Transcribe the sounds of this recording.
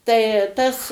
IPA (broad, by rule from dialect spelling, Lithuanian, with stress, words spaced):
tɐɪ ˈtɐs